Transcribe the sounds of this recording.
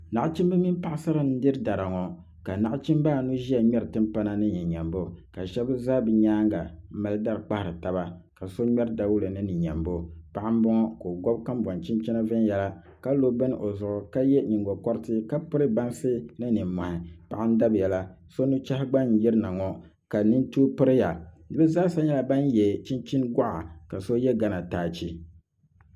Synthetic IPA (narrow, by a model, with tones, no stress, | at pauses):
na˨ʔt͡ʃi˦m˦bɨ˦mi˦mpa˦ʔsa˦ɾɨ˦n̩˦dɨ˦ɾɨ˦da˨ɾa˨ŋɔ˨ | ka˨na˦ʔt͡ʃi˦m˦baː˦˨nu˦ʒi˦a˨ɲɛ˦ɾɨ˨tɨ˦mpa˦na˦nɨ˦ɲɛ˨ɲɛ˨mbo˦ka˨ʃɛ˦bɨ˦zaː˦bɨ˨ɲaː˦ŋɡa̰˨m̩˦ma˦lɨ˦da˦ɾk͡pa˦hɪ˨ɾɨ˨ta˨ba˦ka˨so˦ɲɛ˦ɾda˨wu˦lɨ˨nɨ˦nɨ˨ɲɛ̰˨mbo˦pa˨ʔa˦m˦bɔ˦ŋɔ˦ko˨ɡɔ˦b̚ka˦mba˨nt͡ʃi˦nt͡ʃi˦na˦vɨ˦njɛ˦la˦ | ka˦lo˦bɛ˦n˦ʔo˨zʊ˨ʔʊ˨ka˦jɛ˦ɲi˨ŋɡɔ˨kɔ˦ɾɪ˦tɪ˦ka˦pɨ˦ɾɨ˦ba˦nsɨ˦nɨ˦nɨ˨m˨mɔ˨hɪ˨pa˨ʔɪ˦n̩˦da˦bjɛ˨la˦ | so˦nu˦t͡ʃa˦hɪ˦ɡ͡ba˦n˦jɛ˦ɾɨ˦na˨ŋɔ˨ | ka˨nɨ˦n˦tu˦pɨ˦ɾɪ˦ja˨ | nɨ˦bɨ˦zaː˦sa˦ɲɛ˦la˨ba˦n˦jɛ˨t͡ʃi˦nt͡ʃi˦nɡa˦ʔa̰˨ka˨so˦jɛ˦ɡa˦na˨taː˨t͡ʃi˦